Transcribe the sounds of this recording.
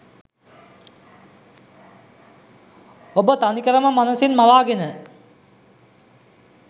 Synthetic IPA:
obət̪anikəɾəməmanəsinmaʋaːɡenə

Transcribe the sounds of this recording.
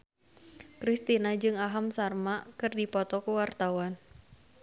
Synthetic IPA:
kɾist̪inad͡ʒɨŋaɦamsarmakɨrdipɔt̪ɔkuwart̪awan

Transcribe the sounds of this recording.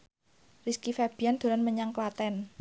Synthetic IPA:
riskifɛb̥i̤and̪̥o̤ɾanməɲaŋklat̪ɛn

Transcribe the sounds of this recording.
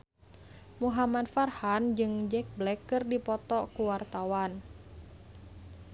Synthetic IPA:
muɦamadfarhand͡ʒɨŋd͡ʒɛk̚blɛkːɨrdipɔt̪ɔkuwart̪awan

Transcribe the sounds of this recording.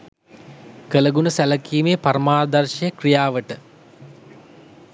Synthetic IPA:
kələɡunəsæləkiːmeːpaɾmaːd̪ɐrʃɐjəkrijaːʋəʈə

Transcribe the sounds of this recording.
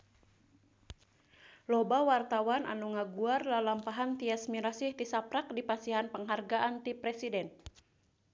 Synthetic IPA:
lɔbawart̪awana̰nuŋaɡuarlalampaɦant̪iasmiɾasiht̪isapɾak̚dipasiɦanpəŋɦarɡaʔant̪ipɾɛsidɛn

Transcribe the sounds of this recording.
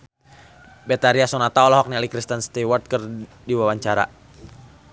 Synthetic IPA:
bɛt̪aɾiasɔnat̪aɔlɔɦɔk̚nialikɾist̪ənst̪iwɔrt̪̚kər | diwawaɲt͡ʃaɾa̰

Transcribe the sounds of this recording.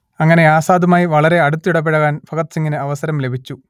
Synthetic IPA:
ɐŋːɐne̞aːsaːd̪umaːjiʋɐɭɐɾe̞ɐɽut̪ːiuɽɐpːeɻɐɣaːnfʰɐkɐt̪siŋːinɨɐʋɐsɐɾɐmle̞bʱit͡ɕːu

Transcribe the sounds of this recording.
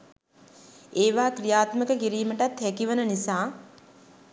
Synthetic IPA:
eːʋaːkɾijaːt̪məkəkiɾiːməʈat̪hækiʋənənisaː

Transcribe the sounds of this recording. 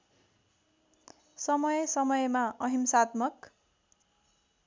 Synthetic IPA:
sʌmʌjsʌmʌjmaʔʌɦimsat̪mʌk

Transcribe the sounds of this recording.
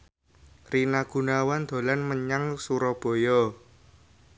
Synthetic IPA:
rinaɡ̥ṳnawand̪̥o̤lanməɲaŋsuɾɔb̥o̤jɔ

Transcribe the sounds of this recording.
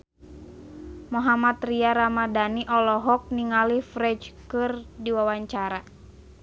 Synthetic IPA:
mɔɦamat̪riaɾamadaniʔɔlɔɦɔk̚niŋalihfɾɛt͡ʃkɨrdiwawaɲt͡ʃaɾa

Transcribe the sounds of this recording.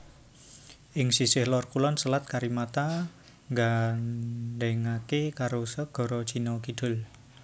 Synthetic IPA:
ʔɪŋsisɪhlɔrkulɔnsəlat̪̚kaɾimat̪a | ŋɡa | ɖɛŋakekaɾosəɡ̥ɔ̤ɾɔt͡ʃinɔkid̪̥ʊ̤l

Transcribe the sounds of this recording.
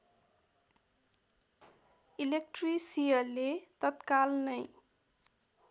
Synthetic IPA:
ilek̚ʈrisijʌːet̪ʌt̪kalnʌj

